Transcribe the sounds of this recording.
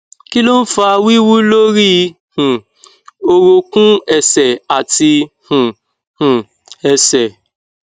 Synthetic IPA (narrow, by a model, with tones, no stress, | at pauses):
ki˦lo˦n̩˦fa˦˧wi˦wu˦lo˦ɾi˦ | h̩˨ | o˧ɾo˧kũ˦ɛ˨sɛ˨a˨ti˧hũ˨ | hũ˨ | ɛ˧sɛ˨